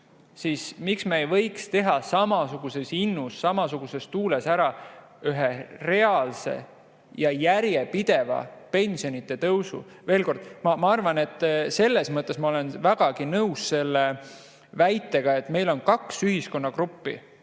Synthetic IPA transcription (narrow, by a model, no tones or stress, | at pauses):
siːsmiksmeːjvɤ̞jkst̪e̞ɦɑsɑmɑsuɡ̥use̞sinːusːɑmɑsuɡ̥use̞st̪uːle̞sæɾɑ | yɦere̞ɑlse̞̰ | jɑjæɾje̞pid̪̥e̞vɑ̰pe̞nʲsio̞nit̪ːˑe̞t̪ɤwsṵ | ve̞ːlko̞rd̪̥mɑmɑɑrvɑne̞t̪ːˑse̞lːe̞smɤt̪ːˑe̞smɑole̞nvæɡ̥ɑɡ̥inɤusse̞lːe̞ | væjt̪ːˑe̞ɡ̥ɑe̞t̪ːme̞jlo̞nkɑksyɦisko̞nːɑɡrupːḭ